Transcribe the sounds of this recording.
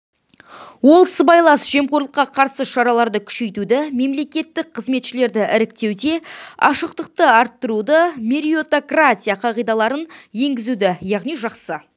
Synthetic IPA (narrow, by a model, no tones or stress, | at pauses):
wo̞lˠsəbɑjlˠɑsʒ̥e̞mqoɾlˠəqːɑqʰɑɾsəʃɑɾɑlˠɑɾd̪əkʲʰʏ̥ʃe̞jt̪ud̪ɪme̞mle̞kʲe̞t̪ːɪk̚qʰəzme̞t̪ʃɪle̞ɾd̪ɪʔɪɾɪk̚t̪e̞wd̪e̞ɑ̰ʃəqt̪əq̚t̪əɑɾt̪ːəɾud̪əmʲeɾio̞t̪okratʲijaqʰɑʁijd̪ɑlˠɑɾənje̞ŋɡʲɪzud̪ɪjɑʁnijʒɑqsə